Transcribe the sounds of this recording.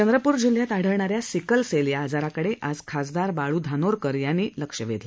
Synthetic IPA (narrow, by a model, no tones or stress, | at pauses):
t͡ɕənd̪ɾəpuːɾd͡ʑil̤ːjat̪aɽ̤əɭɳaɾjasikəlseljaːd͡zaɾakəɽeʔad͡zkʰasd̪aɾbaɭuːd̪ʱanoɾkəɾjanːiːləkʂəʋed̪la